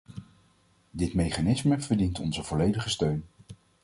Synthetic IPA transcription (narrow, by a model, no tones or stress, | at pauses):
dɪtmejχanɪsməvəɹdintɔnzəvɔlejdəχəstøɥn